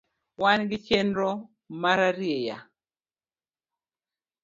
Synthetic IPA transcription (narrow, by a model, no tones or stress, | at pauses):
wanɡɪt͡ʃendɾɔ | maɾaɾjeja̰